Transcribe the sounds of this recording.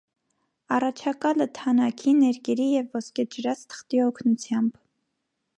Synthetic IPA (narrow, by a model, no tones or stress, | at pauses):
ɑrɑt͡ʃʰɑkɑlət̪ʰɑnɑkʰinɛɾkɛɾijɛvːɔskɛd͡ʒəɾɑt͡st̪ʰə̥χt̪iɔkʰnut͡sʰjɑmb